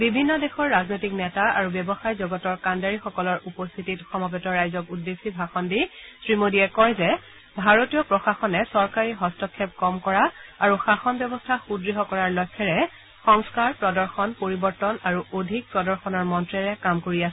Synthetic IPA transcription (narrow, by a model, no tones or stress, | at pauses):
bibʱinːɔdexɔɹːaznojtiknɛtaa̰ɹubɛbɔxajzɔɡɔtɔɹkandaɹixɔkɔlɔɹupɔst̪ʰititxɔmɔbɔtɔɹajzɔkudːesibʱaxɔndisɹimodiɛkɔɹzɛ | bʱaɹotijɔpɹɔxaxɔnɛsɔɹkaɹiɦɔstɔkʰːɛp̚kɔmkɔɹaaɹuxaxɔnbɛbɔstʰaxudɹiɦɔkɔɹaɹlɔkʰːɛɹɛ | xɔŋskaɹpɹɔdɔɹxɔnpoɹibɔɹtɔnaɹuʔodʱik̚pɹɔdɔɹxɔnɔɹmɔntɹɛɹɛkamkoɹias